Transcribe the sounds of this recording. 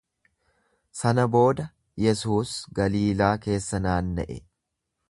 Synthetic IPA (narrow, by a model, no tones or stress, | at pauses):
sɐnɐbo̞ːd̪ɐ | jɛsuːsɡɐliːlaːke̞ːsːɐnaːnːɛ̰ʔɛ̰